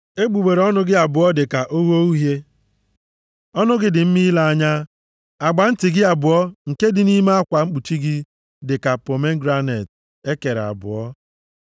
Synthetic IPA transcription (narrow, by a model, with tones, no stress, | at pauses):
e˦ɡ͡bu˨ɡ͡be˨ɾe˨ɔ˦nʊ˦ɡɪ˦a˨bʊ˨ɔ˦dɪ˨ka˨ʔo˦wo˦u˦ɦje˦ | ɔ˦nʊ˦ɡɪ˦dɪ˨m̩˦mi˦la˦a˦ɲa˦ | a˨ɡ͡ba˨n̩˦tɪ˨ɡɪ˦a˨bʊ˨ɔ˦ŋ̩˨ke˦dɪ˨ni˦me˦a˦kʷa˨ŋ͡m̩˦k͡pu˨t͡ʃi˦ɡɪ˦ | dɪ˨ka˨po˨me˦ŋ̩˦ɡɾa˦ne˨t | e˦ke˨ɾa̰˨bʊ̰˨ɔ˦